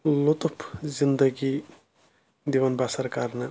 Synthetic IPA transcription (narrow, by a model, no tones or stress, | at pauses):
lot̪opʰzind̪əɡi | d̪iʋɐnbasɐɾkaɾnɐ